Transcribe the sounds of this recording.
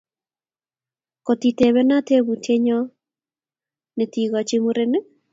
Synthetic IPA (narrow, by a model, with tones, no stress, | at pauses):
ko˨ti˨te˨βɛ˦na˦te˦βu˨tʰe˦ɲɔ˦ | ne˨ti˨ɣɔ˨t͡ʃe˦mu˦ɾe˦ne˦